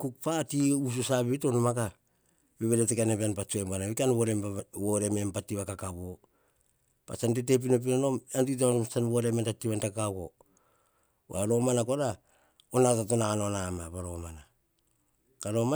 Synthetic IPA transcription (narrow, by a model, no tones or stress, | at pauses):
kuk̚patius̬usaβitonomaka | beβeɾetekaneβeanpat͡ʃoembanaβikanβoɾemwoɾe̞mempatːiβakakaβo̞ | pa̰t͡ʃantete̞p̬inop̬inono̞mantitooomsanβoɾementatiβantakkaβo | wa̰ɾo̞manako̞ɾa | onatatonaanonamaβaɾo̞mana | kaɾo̞ma